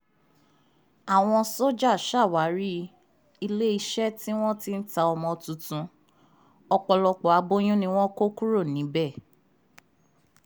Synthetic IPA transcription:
a˨w̃ɔ̃˧so˦d͡ʒa˦˨ʃa˦˨wa˨˦ɾi˦ | i˧le˦i˧ʃɛ˦ti˦w̃ɔ̃˦ti˦n̩˦ta˧ɔ˧mɔ̃˧tũ˨˧tũ˧ | ɔ˧k͡pɔ˧lɔ˧k͡pɔ˨a˧˦bo˦j̃ũ˦nĩ˧w̃ɔ̃˦ko˦ku˦ɾo˦˨nĩ˨˦bɛ˦˨

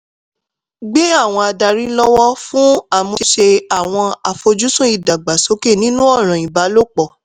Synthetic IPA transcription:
ɡ͡be˦a˦˨w̃ɔ̃˧a˧da˧ɾĩ˦lɔ˦wɔ˦fũ˦a˦˨mũ˧ʃe˧a˨w̃ɔ̃˧a˨fo˧d͡ʒu˦sũ˦i˦˨da˨ɡ͡ba˨so˨˦ke˦˨nĩ˦nũ˦ɔ˦˨ɾ̃ɔ̃˨ĩ˨ba˨˦lo˦k͡pɔ˦˨

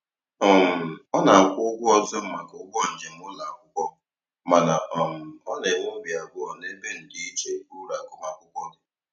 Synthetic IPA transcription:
ɔ˨m̩˨ɔ˦na˨kʷʊ˦ɡʷʊ˦ɔ˦zʊ˦m̩˦ma˨kʊ˦ɡʷɔ˦n̩˨d͡ʒe˨m̩˦ʊ˦la˨kʷʊ˦kʷɔ˦ | ma˨na˨ʔɔ˨m̩˨ɔ˦ne˨ŋʊ˦m̩˦bi˨a˨ɡʷʊ˨ɔ˨ne˦be˦n̩˨di˦i˦t͡ʃe˨ku˦ɾu˦ɾa˨kʊ˨ma˦˨kʷʊ˦kʷɔ˦dʊ˨

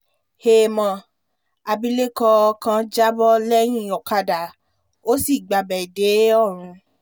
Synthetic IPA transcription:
he˨˧mɔ̃˧˨ | a˧bi˧le˦kɔ˧kã˧d͡ʒa˦bɔ˦lɛ˦j̃ĩ˦˨ɔ˨ka˧da˨ | o˦si˦˨ɡ͡ba˨bɛ˨de˨˦ɔ˦˨ɾ̃ũ˧

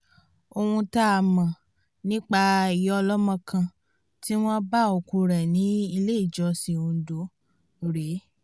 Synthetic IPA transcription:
o˧hũ˧ta˦˧˨mã˨ | nĩ˦k͡pa˧i˨jɔ˧lɔ˦mã˧kʰã˧ | ti˦w̃ɔ̃˦ba˦o˧ku˧ɾɛ˨nĩ˨˦i˧le˦i˦˨d͡ʒɔ˨˧si˧õ˧˨˦do˨˦˨ | ɾe˨˦

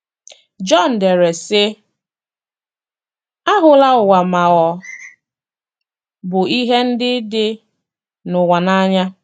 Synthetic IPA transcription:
d͡ʒɔ˦˨n̩˨de˨ɾe˨sɪ˦ | a˦ɦʊ˨la˦ʊ˨wa˨ma˨ɣɔ˨ | bʊ˨i˦ɦe˦n̩˦dɪ˦dɪ˦ | nʊ˨wa˨na˦ɲa˦

